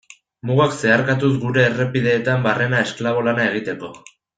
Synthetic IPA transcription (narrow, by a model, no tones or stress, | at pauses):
muɣakse̞aɾkat̪usɡuɾe̞ːre̞piðe̞ːt̪ambare̞nae̞sklaβ̞o̞lanae̞ɣ̞it̪e̞ko̞